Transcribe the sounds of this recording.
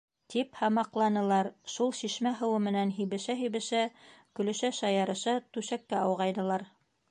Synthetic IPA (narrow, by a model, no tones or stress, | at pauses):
t̪iphɑmɑqlˠɑnɤ̆lˠɑɾʃulˠɕiʃmæɦɤ̆wɤmɘ̆nænɦiβɘ̆ʃæɦiβɘ̆ʃækɵ̆lɵ̆ʃæʃɑjɑɾɤ̆ʃɑt̪ʉʃækːæɑwʁɑjd̪ɤ̆lˠɑɾ